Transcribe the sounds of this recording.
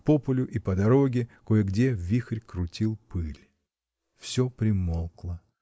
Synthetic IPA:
popʊlʲʊʔipəd̪ɐɾoɡʲɪkojəɡdʲevʲixrʲkɾʊtʲilˠpɨlʲ | fsʲopɾʲɪmolˠklˠə

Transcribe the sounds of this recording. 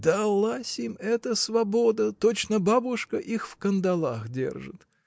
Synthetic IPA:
d̪ɐlˠasʲimɛt̪əsvɐbod̪ət̪ot͡ɕnəbabʊʂkəʔixfkənd̪ɐlˠaxdʲḛrʐɨ̰t̪

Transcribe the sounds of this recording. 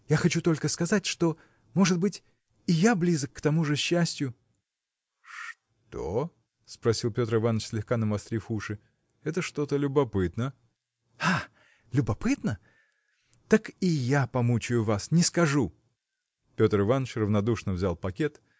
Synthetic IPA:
jaxɐt͡ɕut̪o̞lʲkəskɐzatʲʂt̪o̞ | mo̞ʐɨd̪̚bɨtʲ | ɪjablʲizəkːt̪ɐmuʐɨɕːæsʲtʲjʊ | ʂ | t̪o̞ | spɾɐsʲilˠpʲo̞t̪ɾɨvanːət͡ɕʲsʲlʲɪxkanəmɐst̪ɾʲifuʂɨ | ɛt̪əʂt̪o̞t̪əlʲʊbɐpɨt̪nə | a | lʲʊbɐpɨt̪nə | t̪akɪjapɐmut͡ɕʊjʊvasnʲɪskɐʐu | pʲo̞t̪ɾɨvanːət͡ɕrəvnɐd̪uʂnəvzʲalˠpɐkʲet̪

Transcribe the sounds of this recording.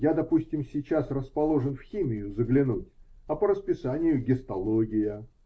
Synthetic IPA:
jad̪ɐpusʲtʲɪmsʲɪt͡ɕasrəspɐlˠo̞ʐɨnfxʲimʲɪjʊzəɡlʲɪnutʲɐpəɾəspʲɪsanʲɪjʊɡʲɪst̪ɐlˠoɡʲɪjə

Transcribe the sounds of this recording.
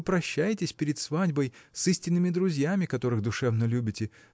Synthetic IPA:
pɾɐɕːæjɪtʲɪsʲpʲɪɾʲɪt̪svadʲbəjsɨsʲtʲɪnːɨmʲɪd̪ɾʊzʲjamʲɪkɐt̪o̞ɾɨɣd̪ʊʂɛvnəlʲubʲɪtʲɪ

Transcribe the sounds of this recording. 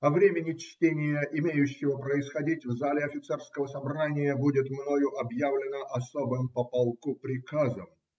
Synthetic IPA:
ɐvɾʲemʲɪnʲɪt͡ɕtʲenʲɪjəʔɪmʲejʉɕːɪvəpɾəɪsxɐdʲitʲvzalʲɪɐfʲɪt̪sɛrskəvəsɐbranʲɪjəbudʲɪt̪mnojʊʔɐbjavlʲɪnəʔɐsobɨmpəpɐlˠkupɾʲɪkazəm

